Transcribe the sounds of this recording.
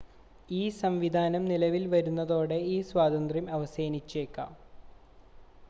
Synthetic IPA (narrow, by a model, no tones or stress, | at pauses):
iːsɐmʋid̪ʱaːnɐmnilɐʋilʋɐɾunːɐðo̞ːɽe̞iːswaːd̪ɐnd̪rimɐʋɐseːnit͡ɕːeːkːa̰ːm